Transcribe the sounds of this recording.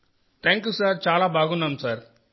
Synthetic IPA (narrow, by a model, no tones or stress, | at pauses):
t̪ʰãːŋkjuːsaːɾt͡ʃaːlaːbʱaːɡunːaːmsaːɾ